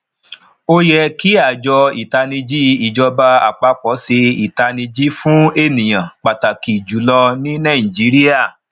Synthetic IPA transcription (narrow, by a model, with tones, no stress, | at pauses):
o˦jɛ˧ki˦a˦˨d͡ʒɔ˧i˨ta˧nĩ˧d͡ʒi˦i˨d͡ʒɔ˧ba˧a̰˨k͡pa˧k͡pɔ˨˦se˧i˨ta˧nĩ˧d͡ʒi˦fũ˦e˦˨nĩ˨j̃ã˨k͡pa˨ta˨ki˨d͡ʒu˨˦lɔ˧nĩ˦nã˦˨d͡ʒi˨˦ɾi˦a˦˨